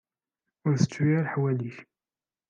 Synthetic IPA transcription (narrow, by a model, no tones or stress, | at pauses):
ʊɾθə̥t͡sːwiaɾħwæliç